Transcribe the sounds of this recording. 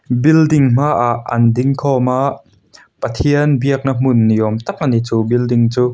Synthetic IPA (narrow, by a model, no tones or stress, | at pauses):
bildɪŋm̥aːʔaʔːɐ̰ndɪŋkʰɔmaʔ | pɐt̪ʰiənbiək̚nam̥ʊnːijɔmt̪ak̚ʔanit͡subildɪŋt͡suː